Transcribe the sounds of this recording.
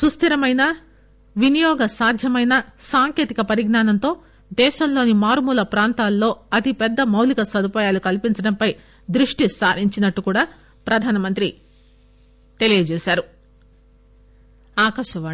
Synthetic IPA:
sust̪ʰiɾɐmɐjnɐ | ʋinijɔːɡɐsaːd̪ʱjɐmɐjnɐsaːŋke̞ːt̪ikɐpɐɾiɡnaːnɐnt̪o̞ː | d̪ɛːʃɐmlo̞ːnimaːɾmuːlɐpɾaːnt̪aːlːo̞ːɐt̪ipɛd̪ːɐmɐwlikɐsɐd̪ʱupaːjaːlukɐlpiɲt͡ʃɐɽɐmpɐj | d̪ɾuʂʈisaːɾiɲt͡ʃinɐʈːukuːɽaː | pɾɐd̪ʱaːnɐmɐnt̪ɾi | t̪e̞lijɐd͡ʒɛːʃaːɾu | aːkɐʃɐʋaː

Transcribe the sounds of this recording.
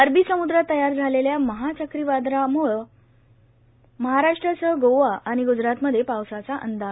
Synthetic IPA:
əɾbʱiːsəmud̪ɾət̪əjaɾd͡zʱaleljaməɦat͡ɕəkɾiʋad̪ɾamuɭ | məɦaɾaʂʈɾəsəɦɡoʋaʔaɽ̃iɡud͡ʑɾat̪məd̪ʱjepawsat͡saʔə̰nd̪a

